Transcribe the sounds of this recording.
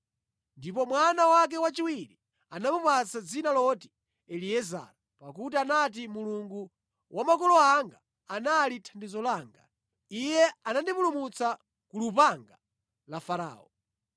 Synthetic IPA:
ndipɔmwanawak̬ɛwat͡ʃiwiɾi | anamupat͡sad͡zinalɔti̥ | ɛliɛza̰ɾa | pakutianat̬imuluŋɡu | wʔamakɔlɔaŋɡaː | nalitʰandizɔlaːŋɡa̰ | ijɛanandipulumut͡sa | kulupaŋɡa | lafaɾa̰ːɔ

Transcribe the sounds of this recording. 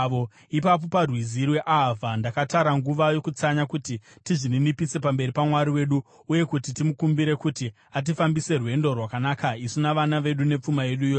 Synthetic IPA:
ʋo | ipap̬o̞parwizirwe̞ʔavʱandakataɾaŋɡuʋajo̞kut͡saɲakutitiʐininipise̞pambe̞ɾipamwaɾiwe̞ɗu | uje̞kutitimukumbiɾe̞kuti | at̬ifambise̞rwe̞ndo̞rwakanaːkaisinaʋanaʋe̞ɗune̞p͡fumaje̞ɗujo

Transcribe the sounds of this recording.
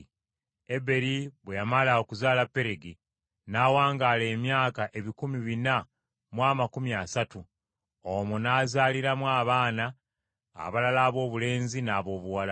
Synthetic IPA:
e̞be̞ɾiβwe̞jamalao̞kuzaːlapːe̞ɾe̞ɡi | naːwaːŋɡaːle̞ːmjaːkaʔe̞βikumiβina | mwaːmakumiasatu | omunaːzaːliɾamwaːβaːna̰ː | βalalaːβo̞ːβule̞ːnzinaːβo̞ːβuwala

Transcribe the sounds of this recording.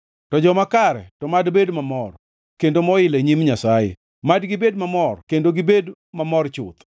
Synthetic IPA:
tɔd͡ʒɔmakaɾɛ̰tɔmadbedmamɔr | kendomɔɪleɲimɲasajḛ | madɡɪbedmamɔrkendoɡɪbed | mamɔrt͡ʃʊ̰t̪

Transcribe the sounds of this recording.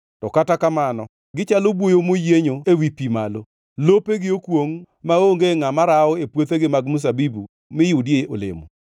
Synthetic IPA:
tɔkatakamanɔ | ɡɪt͡ʃalobwojomojeɲoewipimalo | lopeɡɪokwoŋ | maoŋɡeŋamaɾaɔepwot̪eɡɪmaɡmʊs̬abibu | mɪjʊdjeolḛmo̰

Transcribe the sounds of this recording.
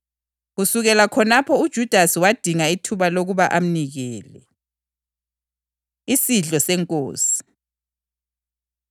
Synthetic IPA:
ɣusuɣɛlakʰɔnapʰɔud̥ʒ̥ʱud̥ʱasiwad̥ʱiŋaitʰuβaloɣuβaʔam̩niɣɛːlɛ̰ | isiɮɔsɛŋkʼo̰ːsi̥

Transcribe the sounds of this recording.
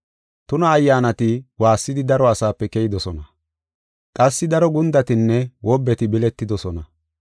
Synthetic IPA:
t̪ʊnɐːjːaːnɐt̪ɪwaːsːɪd̪ɪd̪ɐɾɔɐsaːpːɛkɛjɪd̪ɔsɔnɐ | kʼɐsːɪd̪ɐɾɔɡʊnd̪ɐt̪ɪnːɛwʔɔbːɛt̪ɪbɪlɛt̪ːɪd̪ɔsɔnɐ

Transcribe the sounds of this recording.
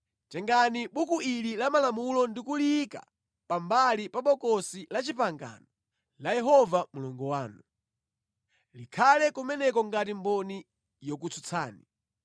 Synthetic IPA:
t͡ʃɛŋɡaniɓukuililamalamulɔndikulika̰ | pambalipaɓɔkɔsilat͡ʃipaŋɡa̰ːnɔ | lajɛɦɔvamuluŋɡɔwaːnu | likʰalɛkumɛnɛkɔŋɡat̬imbɔni | jɔk̬ut͡sʰut͡sʰa̰ːni

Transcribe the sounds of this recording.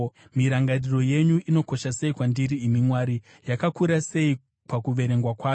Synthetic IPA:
miɾaŋɡariro̞je̞ɲuʔino̞ko̞ʃase̞ikwandiɾiːmimwaːɾi | jakakuɾase̞i | pakuʋe̞ɾe̞ŋɡwakwaːo

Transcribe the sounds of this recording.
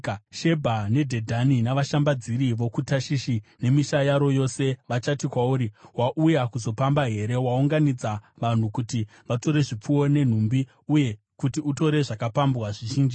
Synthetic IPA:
ʃe̞bʱane̞dʱe̞dʱaninaʋaʃambad͡ziɾiʋo̞kutaʃiʃine̞miʃajaɾo̞jo̞se̞ʋat͡ʃatikwauːɾiwaʔujakuzo̞pambaɦe̞ɾe̞wauŋɡanid͡zaʋan̤ukuti | ʋato̞ɾe̞ʐip͡fuwo̞ne̞n̤umbi | uje̞ | kutiuto̞ɾe̞ʐakapambwaʐiʒiːnd͡ʒi

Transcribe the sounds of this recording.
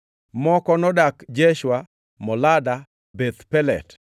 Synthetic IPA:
mɔkɔnɔdakd͡ʒeʃwa | mɔlada | bet̪pɛlɛ̰t

